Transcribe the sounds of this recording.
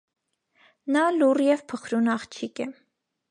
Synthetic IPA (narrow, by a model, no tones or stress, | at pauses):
nɑlurjɛvpʰəχɾunɑχt͡ʃʰikɛ